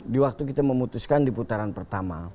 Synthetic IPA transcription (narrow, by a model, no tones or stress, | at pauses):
diwak̚t̪ukit̪aməmut̪uskandiput̪aɾanpərt̪ama̰